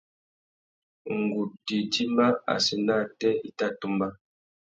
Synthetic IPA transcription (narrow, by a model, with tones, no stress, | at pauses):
ŋ̩˨ɡu˨p̚di˨di˦ma˦a̰˨si˨na˦˨tɛ˦i˦ta˦˨tu˦mba˦